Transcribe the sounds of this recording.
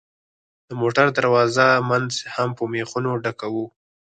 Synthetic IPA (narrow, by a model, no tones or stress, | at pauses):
d̪̥əmoʈaɾd̪aɾwɑzamanzhampəmexunoɖakawu